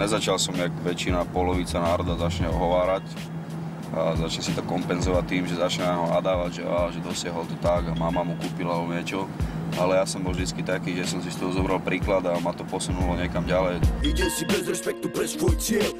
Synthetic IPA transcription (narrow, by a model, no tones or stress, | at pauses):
ɲɛzat͡ʃalsɔmjakʋɛt͡ʃinapɔlɔʋit͡sanaːɾɔd̪azat͡ʃɲɛɔ̰ɦɔʋaːɾac | ʔa̰zat͡ʃɲɛsit̪ɔkɔmpɛnzɔʋat̪ːiːmʒɛzat͡ʃɲɛnaɲɦɔa̰d̪aːʋaɟʒɛaaʒɛd̪ɔsɪaɦɔlt̪ɔt̪aɡamamamukuːpilaalɛbɔɲɪɛt͡ʃɔ | alɛjasɔmbɔlvd̪it͡skit̪akiːʒɛsɔmsist̪ɔɦɔzɔbɾalpɾiːklad̪amat̪ɔpɔsunulɔɲɛkamɟalɛjiɟɛsibɛzɾɛspɛk̚t̪upɾɛʃkut͡sɪɛ